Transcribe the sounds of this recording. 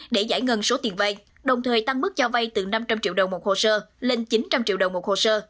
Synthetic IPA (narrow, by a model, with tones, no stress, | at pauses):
ɗe˧˩za̰ː˧˩jŋə˨˩nso˨˦t̪i˨˩ənva˧j | ɗə˨˩wŋ͡mt̪ʰəː˨˩jt̪a˧ŋm˦˥k̚t͡ɕɔ˧va˧jt̪ɨ˨˩na˧mt͡ɕa˧mt͡ɕḭ˧˨wɗə˨˩wŋ͡mmo˨˩t̚ho˧˩səː˧le˧nt͡ɕi˨˦nt͡ɕa˧mt͡ɕḭ˧˨əwɗə˨˩wŋ͡mmo˨˩t̚ho˨˩səː˧